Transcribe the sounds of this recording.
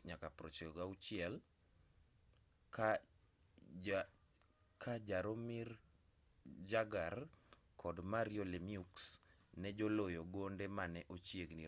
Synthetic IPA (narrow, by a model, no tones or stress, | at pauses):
ɲakapɾot͡ʃeɡaut͡ʃɪɛl | ka | kʰad͡ʒaɾomɪr | d͡ʒaɡar | kʰɔdmaɾijolemiuks | nɛd͡ʒolojoɡondemanɛʔot͡ʃjeɡni